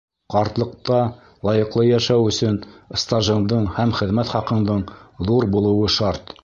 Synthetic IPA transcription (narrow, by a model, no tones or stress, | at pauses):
qɑɾt̪lˠɤ̆qt̪ɑ | lˠɑjɤ̆qlˠɤjæʃæwɵ̆sɵnst̪ɑʒɤ̆nd̪ɤɴhæmχɘ̆ðmæt̪χɑqɤ̆nd̪ɤɴðuɾbulˠɤ̆wɤʃɑɾt̪